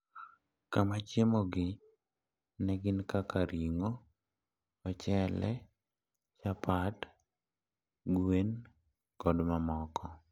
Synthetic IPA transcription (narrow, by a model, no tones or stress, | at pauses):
kamat͡ʃemoɡɪ | nɛɡɪnkakaɾʔiŋo | t͡ʃɛlɛ̰ | t͡ʃapat | ɡwen | ɡɔdmamɔkɔ